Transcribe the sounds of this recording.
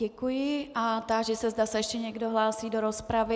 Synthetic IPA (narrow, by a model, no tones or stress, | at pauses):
ɛkujɪʔat̪aʒɛsɛzdasɛjɛʃcɛɲɛɡdo̞ɦlaːsiːdo̞ɾo̞spɾavɪ